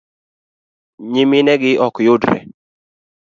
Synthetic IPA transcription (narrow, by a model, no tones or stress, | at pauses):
ɲɪmɪnɛɡɪʔɔkjʊdɾɛ̰